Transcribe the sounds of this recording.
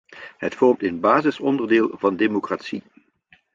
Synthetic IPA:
ɦətfɔɹmtənbaːzɪsɔndərdɪːlˠvɑndeːmokraːtsi

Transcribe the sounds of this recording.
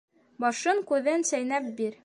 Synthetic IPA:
bɒʃɤŋkʉðɘnsæjnæp̚biɾ

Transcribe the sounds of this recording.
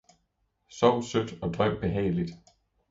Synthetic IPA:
sɒʊ̰sød̥ɒ̽d̥ʁœm̰b̥e̝ɦɛ̰ːɪlid̥

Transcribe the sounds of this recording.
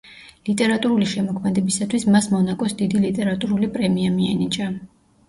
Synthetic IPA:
lit̪ʼɛɾat̪ʼuɾuliʃɛmɔkʰmɛd̪ɛbisat̪ʰwismasmɔnakʼɔsd̪id̪ilit̪ʼɛɾat̪ʼuɾulipʼɾɛmiamianit͡ʃʼa

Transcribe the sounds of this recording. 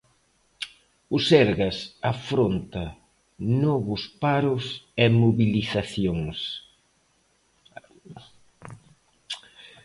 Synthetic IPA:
ʊsɛɾɣɐsafɾont̪ɐ | nɔβʊspaɾʊsɛmoβiliθaθjoŋs

